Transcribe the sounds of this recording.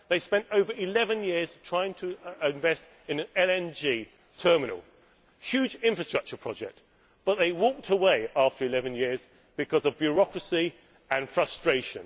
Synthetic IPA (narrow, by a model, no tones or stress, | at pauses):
ðeɪspɛ̃ntəʊvəɹɪlɛvə̃njɪəz̥tʰɹ̥aɪɪ̃ŋtʰəɪ̃ɱvɛst | ɪ̃nɨ̃nɛlɛ̃nd͡ʒi | tʰɜːmɪnə̰lˠ | hjʉːd͡ʒɪ̃ɱfɹəstɹ̥ʌk̚t͡ʃəpʰɹ̥ɒd͡ʒɛ̰k̚t | b̥ʌʔ̪̚ðeɪwɔˑk̚tʰəweɪʔɑˑftəɹɨɪlɛvə̃njɪəz | b̥ɨkʰʌzʌvbjəɹɒkɹəsi | ə̃nfɹʌstɹ̥eɪʃə̰̃n